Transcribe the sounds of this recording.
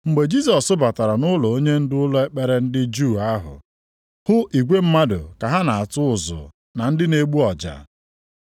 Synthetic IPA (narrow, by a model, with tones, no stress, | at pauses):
ŋ͡m̩˨ɡ͡be˨d͡ʒi˦s̬ɔ˨sʊ˦ba˨ta˨ɾa˨nʊ˦lʊ˨o˦ɲe˦n̩˦dɪ˦ʊ˦lʊ˦e˦k͡pe˦ɾe˦n̩˦dɪ˦d͡ʒu˦˨a˦ɦʊ̰˨ | hʊ˦ʔi˨ɡʷe˦m̩˦ma˦dʊ̰˨ka˨ɦa˦na˨a˨tʊ˦ʊ˨zʊ̰˨ | na˨n̩˦dɪ˦ne˨ɡ͡bu˦ɔ˨d͡ʒa̰˨